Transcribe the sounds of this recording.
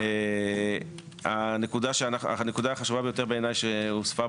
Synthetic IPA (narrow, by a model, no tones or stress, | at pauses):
e | anekud̪aʃeanaa̰ne̞kud̪aːχaʃuvabe̞jo̞t̪e̞ʁbeːnajʃeusfa